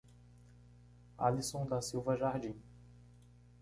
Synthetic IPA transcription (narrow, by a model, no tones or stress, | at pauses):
a̰lisõd̪asiwvɐʒaɾd͡ʒĩ